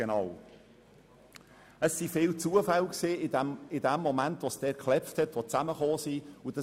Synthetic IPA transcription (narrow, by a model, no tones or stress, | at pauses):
enɑʊ | əsːifɪːlt͡suəfalksiːɪmɪdɛmːomæntʋosd̥ɛːkχlɛfthɛtʋot͡sæməχoːsiʊd̥ə